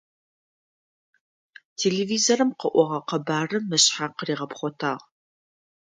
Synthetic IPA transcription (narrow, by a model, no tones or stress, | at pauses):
tʰeːleːviːzoɾɨmqəʔʷɔʁɐqɐbaːrɨmɨɕħaːqəriːʁɐpχʷɔtʰa̰ːʁ